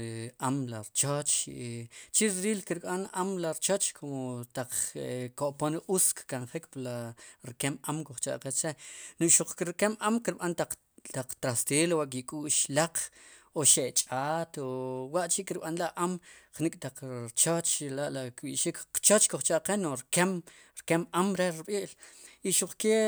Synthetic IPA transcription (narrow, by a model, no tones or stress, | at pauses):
ʔamlaɾt͡ʃot͡ʃiʔt͡ʃiɾɾiːlkiɾɓanamlaɾt͡ʃot͡ʃkʰomot̪aq͡χekoʔponʔuskkanχikplaɾkemamkuχt͡ʃa̰ʔqet͡ʃenuʔʃuq͡χkɾkemʔamkiɾɓant̪aq͡χ | t̪aq͡χt̪ɾast̪eːlwaʔk̬ikʼuːʔʃlaq͡χ | oʃet͡ʃʼaːt̪owaʔt͡ʃiʔkiɾɓanlaʔamχnikʼt̪aq͡χɾt͡ʃot͡ʃlaʔlakɓiʔʃikt͡ʃot͡ʃkoχt͡ʃaʔqenoɾkem | ɾkemamɾeɓiːʔliʃuq͡χke